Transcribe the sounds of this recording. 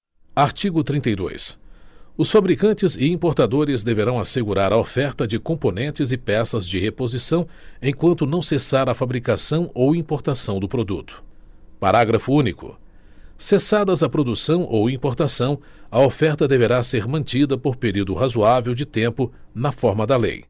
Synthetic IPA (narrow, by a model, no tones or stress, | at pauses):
aɾt͡ʃiɡʊt̪ɾĩt̪ɐjd̪o̰js | ʊsfabɾikɐ̃nt͡ʃɪzɪĩpoɾt̪ad̪oɾɪzd̪eveɾɐ̃w̃aseɡuɾaɾɐofɛɾt̪ɐd͡ʒɪkõmponẽnt͡ʃɪzɪpɛsɐzd͡ʒɪhepozisɐ̃w̃ | ẽj̃kwɐ̃nt̪ʊnɐ̃w̃sesaɾɐfabɾikasɐ̃w̃owĩpoɾt̪asɐ̃w̃d̪ʊpɾod̪ṵt̪ʊ̥ | paɾaɡɾɐfʊũnikʊ̰ | sesad̪ɐzɐpɾod̪usɐ̃w̃ʔowĩpoɾt̪asɐ̃w̃ | ɐofɛɾt̪ɐd̪eveɾaseɾmɐ̃nt͡ʃid̪ɐpoɾpeɾiwd̪ʊɦazuavewd͡ʒɪt̪ẽmpʊnɐfɔɾmɐd̪ɐlḛj